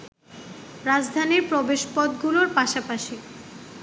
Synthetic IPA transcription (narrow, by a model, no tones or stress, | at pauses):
ɾad͡ʑd̪ʱaniɾpɾobeʃpɔd̪ɡuloɾpaʃapaʃi